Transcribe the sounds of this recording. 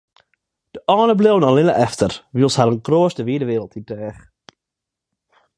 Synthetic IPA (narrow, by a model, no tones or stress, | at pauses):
d̥əʔɑːnəblewnɔlɪnə̰ʔɛftərʋilˠshɛɾənkroːstəʋiədəʋɪːɾəlˠtʰidɛːχ